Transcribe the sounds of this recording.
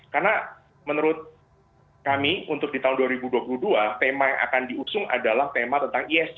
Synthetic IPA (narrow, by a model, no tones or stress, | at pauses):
karna | mənəɾʊt̪̚ | kamiunt̪ʊk̚dit̪aɦʊnduaɾibuduapuluhduat̪emajaŋʔa̰kandiusʊŋa̰dalaht̪emat̪ənt̪aŋiɛs